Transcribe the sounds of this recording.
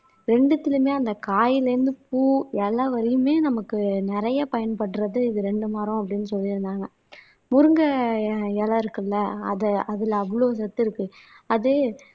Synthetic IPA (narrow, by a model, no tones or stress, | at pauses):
ɾɛɳɖɯt̪ːɪlɯmeːɐnd̪ɐkaːjɪlɐɾɯnd̪ɯpuːɛlːaʋɐɾɪjɯmeːnɐmɐkːɯnɪɾɐjɐpɐjɐnpɐʈːɾɐðɯɪðɯɾɛɳɖɯmaːɾɐ̃ɐp̬ːɐɽɪnːɯsɔlːɪɾɯnd̪aːŋɡɐ | mʊɾɯŋɡɐɛlaɪɾɯkːɐlːɐɐ̰ðɐɐðɪlɐɐʋɐloːs̬ɐt̪ːɪɾɯkːɯ | ɐðɯ